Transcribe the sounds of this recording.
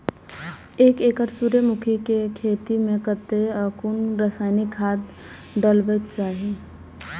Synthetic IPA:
eːkekəɾsuɾemʊkʰikekʰeːt̪imẽkət̪eəkunɾəsaːɪnɪkʰːaːd̪ | ɖəlbek̚t͡ʃaːɦi

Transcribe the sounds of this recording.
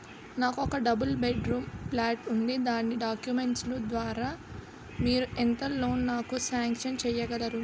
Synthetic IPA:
naːkɔkɐɖɐbɐlbeɖɾuːmplaːʈund̪id̪aːnːiɖaːkjume̞ɳʈslud̪ʋaːɾaː | miːɾuʔent̪ɐlo̞ːnnaːkusaːŋkʃɐnt͡ʃɛːjɐɡɐlɐɾu

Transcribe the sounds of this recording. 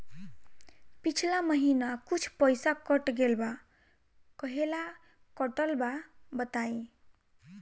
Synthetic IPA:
pit͡ʃʰlaməɦinakut͡ʃʰpəjsakəʈɡelba | kəɦela | kəʈəlbabət̪ai

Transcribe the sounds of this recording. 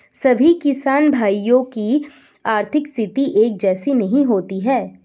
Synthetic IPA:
sɐbʱikɪsaːnbʱaːijõki | aːɾt̪ʰɪkst̪ʰɪt̪iʔeːk̚d͡ʒɛːsinɐɦĩɦoːt̪iɦɛː

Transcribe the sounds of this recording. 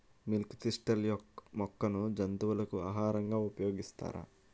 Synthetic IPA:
milkt̪iʂʈɐljɔmɔkːɐnud͡ʒɐnt̪uʋɐlɐkuaːɦaːɾɐŋɡaːupɐjo̞ːɡist̪a̰ːɾa̰ː

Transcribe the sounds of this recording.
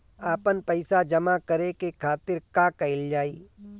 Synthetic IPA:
aːpənpəɪsad͡ʒɐmakəɾekekʰaːt̪ɪɾkakɛɪld͡ʒaːiː

